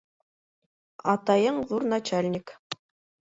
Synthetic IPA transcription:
ɑt̪ɑjɤɴðuɾnat͡ɕalʲnʲik

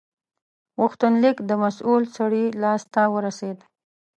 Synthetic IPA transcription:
ɣʊxt̪ʊnlɪkd̪əmasulsaɽilɑst̪awəɾased̪

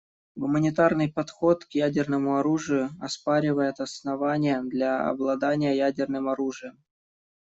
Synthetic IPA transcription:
ɡʊmənʲɪt̪arnɨjpɐt̪xo̞t̪kjædʲɪrnəmʊɐɾuʐɨjʊɐspaɾʲɪvəjɪt̪ɐsnɐvanʲɪjəd̪lʲaɐ̰blˠɐd̪anʲɪjəjædʲɪrnɨmɐɾuʐɨjəm

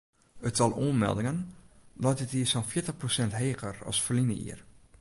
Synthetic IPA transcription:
ətsɑlˠoənmɛ̰lˠdɪŋənlɔjtətiəsɔnfɪətəxprosɛntɦeːxərɑ̰sfərlinəḭər

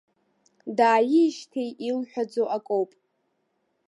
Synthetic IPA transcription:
daːjɪʃtʰejʔilħʷᶣad͡zowʔakʼowpʼ

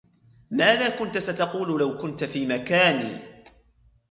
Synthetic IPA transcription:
maːðaːkʊnt̪asat̪ɑquːlʊlawkʊnt̪afiːmakaːnḭː

